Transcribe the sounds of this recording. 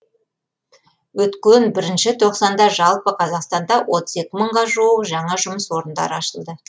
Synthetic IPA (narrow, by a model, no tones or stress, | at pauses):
wɵt̪kʲenbɪɾɪnʃɪt̪ʰo̞qsɑnd̪ɑʒɑlˠpəqʰɑzɑqst̪ɑnd̪ɑwʔo̞t̪əze̞kʲɪməɴʁɑʒuwəqʒɑɴɑʒʊməswo̞ɾənd̪ɑ̰ɾəɑʃəlˠd̪ə